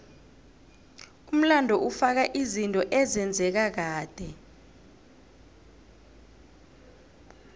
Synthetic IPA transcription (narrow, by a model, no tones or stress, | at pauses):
um̩landʱɔʔufak̬aʔizintʼɔʔɛzɛnd͡zʱɛk̬ak̬aːd̥ʱɛ